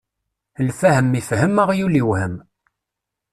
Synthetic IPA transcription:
lfæhəmːifhəməʁjuliwhəm

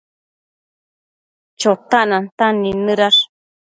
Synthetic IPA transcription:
t͡ʃot̪aʔnant̪anĩnɨ̃ɾaʂ

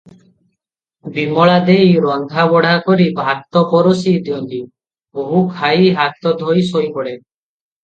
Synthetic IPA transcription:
bimɔɭad̪ejɾɔnd̪ʱabɔɽakɔɾibʱat̪ɔpɔɾosid̪iɔnt̪i | boɦukʰajɦat̪ɔd̪ʱojsojpɔɽe

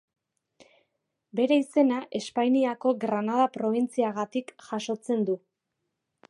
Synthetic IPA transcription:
be̞ɾe̞ise̞naʔe̞spajniako̞ɣɾanað̞apɾo̞β̞int͡siaɣat̪ikʝaʃo̞t͡se̞nd̪u

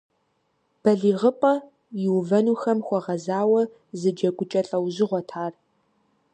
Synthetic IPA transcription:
b̥ɐɮiːʁəpʼɐ | jɪwvɐnuːxɐmxʷɔʁɐzaːwɐ | zɨd͡ʒɐɡʷʼʊt͡ʃʼɐɬʼɐwzɪʁʷɔtʰaːr

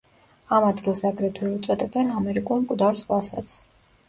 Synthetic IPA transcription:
amad̪ɡilˠsakʼɾɛt̪ʰwiut̪sʼwɛt̪ʼɛbɛnamɛɾikʼulˠmkʼd̪aɾsχwasa̰t̪sʰ

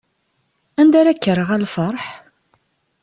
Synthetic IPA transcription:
ænd̪aɾækːərːəʁælfəɾˤħ

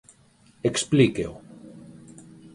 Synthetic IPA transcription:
eksplikḛo

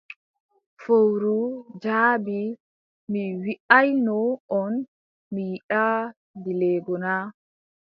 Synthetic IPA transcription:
fowɾud͡ʒaːbi | miwiʔajnɔɔn | mijiɗa | dilɛːɡɔna

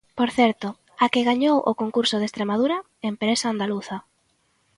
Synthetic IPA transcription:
poɾθɛɾt̪ʊ | akɪɣaɲowʔʊ̰koŋkuɾsʊð̞est̪ɾemað̞uɾɐ | empɾesaːnd̪aluθɐ

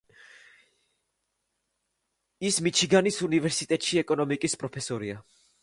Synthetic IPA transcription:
ismit͡ʃʰiɡanisunivɛɾsit̪ʼɛt̪ʼʃiɛkʼɔnɔmikʼispʼɾɔpʰɛsɔɾia

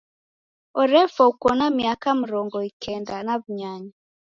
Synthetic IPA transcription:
ɔɾɛfɔukɔnamiakam̩ɾɔŋɡɔikʰɛndanaβuɲaɲa

